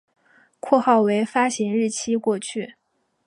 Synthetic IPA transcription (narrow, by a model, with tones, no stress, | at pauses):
kʰwɔ˥˧xɑ˥˩ʊwe˧˥ɪfa˥ɕi˧˥ŋɻɻ̩˥˩t͡ɕʰi˥kwɔ˥˧t͡ɕʰy˥˩